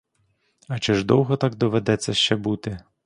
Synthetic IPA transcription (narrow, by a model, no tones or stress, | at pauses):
ɐt͡ʃɪʒd̪ɔwɦɔt̪ɑɡd̪ɔʋed̪ɛt͡sʲːɐʃt͡ʃɛbut̪ɪ